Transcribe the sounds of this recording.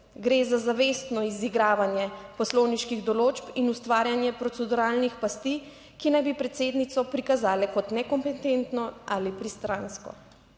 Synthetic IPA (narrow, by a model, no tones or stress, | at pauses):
ɡɾezazaʋest̪nɔiziɡɾaːʋanjɛpɔsloːwniʃkiɣd̪ɔloːt͡ʃpinust̪ʋaːɾjanjɛpɾɔt̪sɛd̪uɾaːlnixpast̪i | kinajbipɾɛt̪seːd̪nit̪sɔpɾikazaːlɛkɔt̪nɛkɔmpɛt̪ent̪nɔʔalipɾist̪ɾanskɔ̰